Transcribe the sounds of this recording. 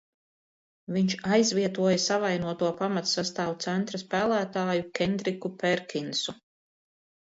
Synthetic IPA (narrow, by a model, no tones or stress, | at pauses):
viɲt͡ʃajzviɛt̪uɔjɐsavajnuɔt̪uɔpamat̪sast̪aːwt̪sɛnt̪ɾaspæːlˠæːt̪aːjukʲɛnd̪ɾikupɛɾkʲinsu